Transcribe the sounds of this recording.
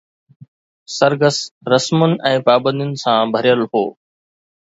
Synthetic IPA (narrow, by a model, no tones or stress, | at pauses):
sɐɾɡəsɾɐsmʊnɪ̆ʔɛ̃ːpaːbə̃nd̪ijʊnɪ̆sãbʱɐɾjəlɦoː